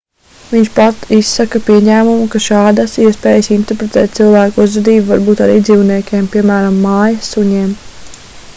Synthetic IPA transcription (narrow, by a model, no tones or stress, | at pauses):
viɲt͡ʃpat̪isːakapiɛɲæːmumukaʃɑːd̪asiɛspɛːjəsint̪ɛɾpɾet̪ɛːt̪̚silˠvæːkuzvad̪iːbuvaɾbuːt̪aɾiːd̪ziːwniɛkʲɛːmpiɛmæːɾamːɑːjɐsuɲɛːm